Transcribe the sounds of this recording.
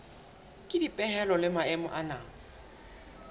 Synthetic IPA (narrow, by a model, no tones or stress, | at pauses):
kʼɪdipʼɛhɛlɔlɪmaɛmʊ̰ʔanaː